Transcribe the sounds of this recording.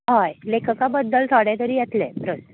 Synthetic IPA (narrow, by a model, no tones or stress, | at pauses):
ɦajlekʰəkabəd̪ːəlt̪ʰaɽjat̪əɾiːjet̪lepɾənt̪